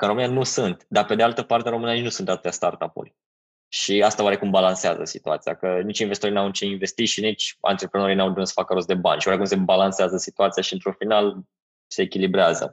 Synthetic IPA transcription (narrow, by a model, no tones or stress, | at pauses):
kəɾo̞mɨnijanusunt̪d̪ape̞d̪ealt̪əpart̪eaɾomɨneninusunt̪at̪u̥t̪jast̪art̪apṵlʲ | ʃiast̪aoaɾe̞kumbalanseazə̰sit̪ua̰t̪sija̰kənit͡ʃʲinvest̪it̪oɾinawnit͡ʃeinve̞st̪it̪ʃinit͡ʃʲa̰nt̪ɾepɾeno̞ɾijnawd̪unut̪sə̥fakəɾost̪d̪e̞banʲʃiwaɾekumse̞balanseazəsit̪uat̪sijaʃiɨnt̪ɾufinal | se̞ːkʲilibɾeazə̰